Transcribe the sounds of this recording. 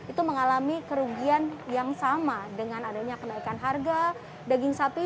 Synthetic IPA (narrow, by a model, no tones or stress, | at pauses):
it̪uməŋalamikəɾuɡianjaŋsamadəŋanadaɲakənaikanɦarɡa | daɡɪŋsapi